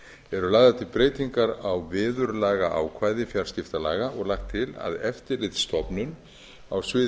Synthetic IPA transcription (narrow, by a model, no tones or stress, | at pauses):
ɛɾʏlaːɣðat̪ʰɪlpɾeːjt̪iŋkaɾawvɪːðʏɾlaːɣaʔa̰wkʰvaːjðɪfjaɾscɪft̪alaːɣaɔɣlaxt̪ʰːɪla̰ðɛft̪ɪɾlɪjt̪st̪ɔpnʏn | awsvɪː